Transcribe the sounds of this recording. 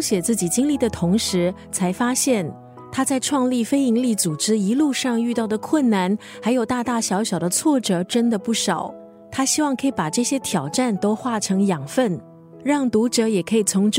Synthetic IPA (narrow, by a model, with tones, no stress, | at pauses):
ɕjɛ˨˩t͡sɹ̩˥˩t͡ɕi˨˩t͡ɕi˥ŋli˥˩d̪ə˩t̪ʰʊ˧˥ŋʂɻ̩˧˥t͡sʰa˧˥ɪfa˥ɕjɛ˥˩n | t̪ʰa˥t͡sa˥˧ɪʈ͡ʂʰwɑ˥˧ŋli˥˩fe˥ɪi˧˥ŋli˥˩t͡su˨˩ʈ͡ʂɻ̩˥i˧˥lu˥˧ʂɑ˥˧ŋy˥˧t̪ɑ˥˩ʊd̪ə˩kʰwə˥˩nːa˧˩n | xa˧˥ɪjo˨˩ʊt̪a˥˧t̪a˥˩ɕjɑ˧˥ʊɕjɑ˨˩ʊd̪ə˦t͡sʰwɔ˥˩ʈ͡ʂɤ˨˩ʈ͡ʂə˥nd̪ə˨pu˥˩ʂɑ˨˩˦ʊ | t̪ʰa˥ɕi˥wɑ˥˩ŋkʰɤ˧˥i˨˧˩pa˨˩ʈ͡ʂɤ˥˩ɕjɛ˥t̪ʰjɑ˨˩ʊʈ͡ʂa˥˩nt̪o˥ʊxwa˥˩ʈ͡ʂʰɤ˧˥ŋjɑ˨˩ŋfə˥˩n | ɻɑ˥˩ŋt̪u˧˥ʈ͡ʂɤ˧˥jɛ˨˩kʰɤ˧˥i˨˩t͡sʰʊ˧˥ŋʈ͡ʂ